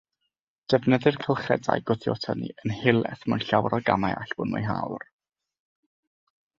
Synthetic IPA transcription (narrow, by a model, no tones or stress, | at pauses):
d̥ɛvnəðɨrkʰəlˠχɛ̰da̰jɡʊθjɔtʰənḭənhɪlˠɛθmanɬawrɔɡamaaɬb̥ʊnmʊ̰jɦa̰wr